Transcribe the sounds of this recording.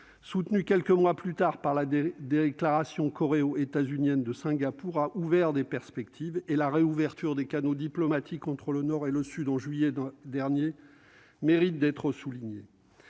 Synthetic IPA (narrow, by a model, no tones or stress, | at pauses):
sut̪nykʲɛlkəmwaplyt̪aʁpaʁlad̪eklaʁasjɔ̃kɔʁeoet̪azynjɛnd̪əsɛ̃ɡʲapuʁaʔuvɛʁd̪epɛʁspɛk̚t̪ʰivelaʁeuvɛʁt̪yʁd̪ekanod̪iplɔmat̪ʰikɑ̃t̪χələnɔʁeləsyd̪ɑ̃ʒɥijɛd̪ɛʁnje | meʁit̪̚d̪ɛt̪χəsuliɲḛ